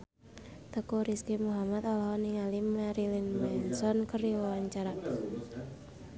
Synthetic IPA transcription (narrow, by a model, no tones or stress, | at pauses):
t̪əkuɾiskimuɦamat̪ɔlɔɦɔniŋalimaɾilinmɛnsɔnkəriwɔwaɲt͡ʃaɾa